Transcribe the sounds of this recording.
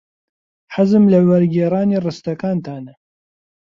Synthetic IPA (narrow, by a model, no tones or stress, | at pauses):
ħazɨmlɐwɐɾɡeːɾɑːniːrɨst̪ɐkaːnt̪ʰaːnɐ